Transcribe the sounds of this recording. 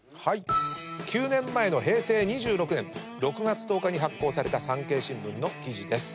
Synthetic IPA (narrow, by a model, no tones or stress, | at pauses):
haikʲɨːnẽ̞mːae̞no̞ɦe̞ːse̞ːɲ̟iʑɨːɾo̞kɯ̟nẽ̞ŋ | ɾo̞kɯ̟ɡat͡sɨ̥t̪o̞ːkaɲ̟iɦakːo̞ːsaɾe̞t̪asãŋke̞ːɕĩmbɯ̟̃nːo̞kʲiʑid̪e̞sɨ̥